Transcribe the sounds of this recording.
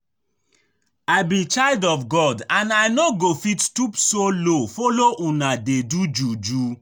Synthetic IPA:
aɪbĩt͡ʃaɪldɔfɡɔdãnaɪnɔɡofittupsolofɔloʔũnadedud͡ʒud͡ʒu

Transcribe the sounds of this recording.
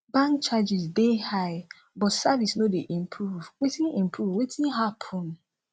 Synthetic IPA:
bãŋkt͡ʃad͡ʒisdehaɪ | bɔtsavisnodeʔĩmpʰɾuvwetĩnĩmpɾuvwetʰĩnɦapʰɔ̃n

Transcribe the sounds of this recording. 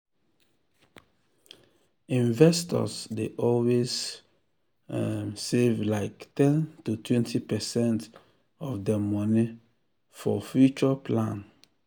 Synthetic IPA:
ĩnvɛstɔ̰sdeʔɔlwes | sevlaɪktɛ̃ntutʰwɛ̃ntʰipɛsɛ̃nt | ɔfdəmɔni | fɔ̰fjut͡ʃəpʰlãn

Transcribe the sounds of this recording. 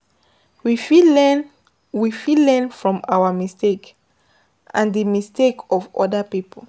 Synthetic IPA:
wifin | wifilɛ̃nfɹɔ̃maʊwəmistek | ʔãndəmistekʰɔvɔ̰dəpipʰl

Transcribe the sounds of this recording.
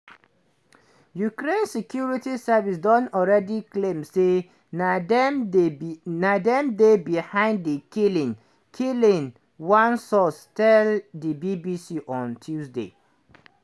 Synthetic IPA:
jukɾẽnsɛkʰjuɹitisavis̬dɔ̃nɔlɹɛdiklẽmse | nd | nadɛ̃mdebihãɪ̃nddikilĩn | kʰilĩn | wãnsɔstʰɛldibibisiʔɔ̃ntʰjusdḛ

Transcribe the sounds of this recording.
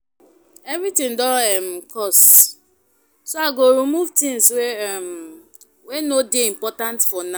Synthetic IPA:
evɾitĩŋdɔɛm̩kɔs | soaɡoɾumuvtĩŋswem | wenodeim̩pɔtãntfɔna

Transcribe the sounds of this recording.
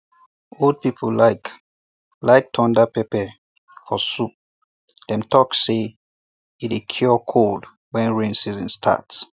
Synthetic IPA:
old̚pipʰəlaɪk | laɪk̚tʰɔ̃ndapepɛ | fɔsup̚ | d̥ɛ̃mtʰɔkse | itekʰjɔkʰold | wɛ̃nɹẽnsizə̃nstʰa̰ts

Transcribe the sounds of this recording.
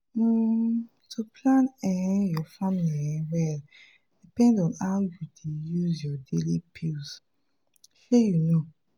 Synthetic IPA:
tʰupʰlãnɛ̃jɔfamiliɛ̃wɛl | d̥ipɛ̃ndɔ̃naʊjudʰejuzjɔdelipʰils | fejuno

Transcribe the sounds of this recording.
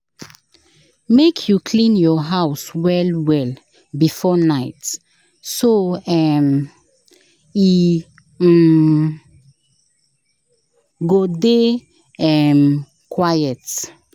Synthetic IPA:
mekʰjukʰlĩnjɔɦaʊswɛlwɛl | bifɔnaɪt | soɛm | i | ɡode | ɛm | kʰwajɛt

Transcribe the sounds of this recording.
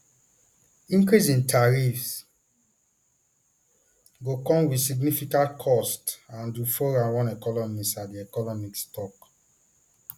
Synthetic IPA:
ĩŋkɹisĩntʰaɹifs | ɡokɔ̃mwisiɡnifikãtkʰɔstãndufoɹãwɔ̃nɛkɔnɔmisadiɛkɔnɔmikstɔk

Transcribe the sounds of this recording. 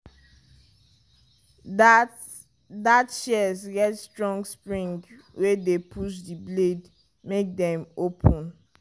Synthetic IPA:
datʃɛsɡɛtstɹɔ̃ŋɡspɹĩŋɡ | wedepʰuʃdibled | mek̚dɛ̃mopʰɔ̃n

